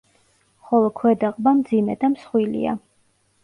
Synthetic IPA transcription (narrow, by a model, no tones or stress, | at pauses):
χɔlˠɔkʰwɛd̪aqʼbamd̪zimɛd̪amsχwilḭa̰